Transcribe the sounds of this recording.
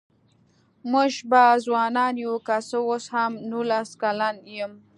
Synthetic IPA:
muʒbazwɑnɑnjukasəwoshamnulaskalanjəm

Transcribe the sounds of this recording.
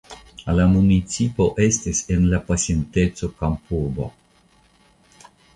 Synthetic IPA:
lamunit͡sipoʔest̪isenlapasjent̪et̪sokampubo̰

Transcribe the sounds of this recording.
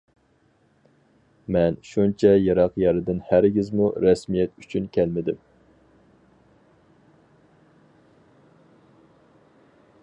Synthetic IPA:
mɛnʃunt͡ʃʰɛjɑɾɑqjɑɾɨd̪ɪnhæɾɡʲizmuɾɛsmijɛt̪yt͡ʃʰynkʲʰɛlmɪd̪ɪm

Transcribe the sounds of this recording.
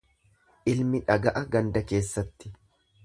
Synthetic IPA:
ʔɪlmɪᶑɐɡɐʔɐɡɐnd̪ɐke̞ːsːɐt̪ːɪ̥

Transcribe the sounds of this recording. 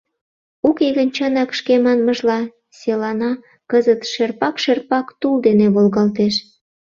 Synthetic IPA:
ukeɣənt͡ɕɑnɑkʃkemɑnməʒlɑ | selɑnɑ | kəzət̪ʃerpɑkʃerpɑkt̪uld̪eneβolɣɑlt̪eʃ

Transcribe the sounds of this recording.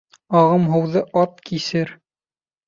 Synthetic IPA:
ɑʁɤmɦɤ̆wðɤʔɑt̪̚kisɘɾ

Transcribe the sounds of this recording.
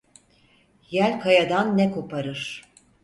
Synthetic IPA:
jælʲkʰajad̪anːɛko̞pʰaɾɯɾ̥

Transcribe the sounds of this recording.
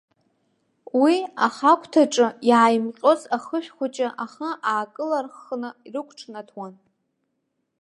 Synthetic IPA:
wiaχakʷʰʼtʰaʈ͡ʂʼɨjaʕajmqʲʼo̞zaχəʃᶣχʷat͡ʃʼaʔaχəaːkʼɨlarχnɨirɨkʷʰʈ͡ʂʰnatʰwan

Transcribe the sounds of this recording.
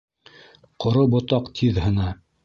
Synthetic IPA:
qʰŏɾobŏt̪ɑqt̪ʰiðhɤ̆nɑ

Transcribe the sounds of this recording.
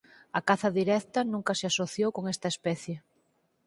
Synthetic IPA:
ɐkaθɐðiɾɛkt̪ɐnũŋkɐseasoθjowkoŋest̪ɐespɛθje

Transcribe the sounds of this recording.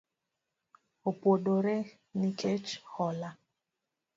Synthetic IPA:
opwoɗoɾɛ | nikʰet͡ʃhɔla

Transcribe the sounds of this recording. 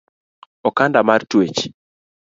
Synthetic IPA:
ɔkandamartwet͡ʃ

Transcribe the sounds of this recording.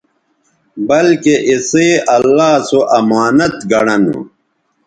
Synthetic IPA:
bɐlkeʔiseːɐlːaːsoʔɐmaːnɐt̪ɡɐɽɐnṵ

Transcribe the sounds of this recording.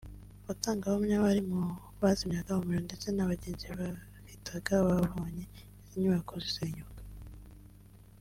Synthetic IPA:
βataːŋɡaβomɲaβaɾimu | βazimɲaɡahomuɾonde̞t͡se̞naβaɟeːnziβa | hitaɡaβaβoːɲe | iziɲuβakoziseːɲukḁ

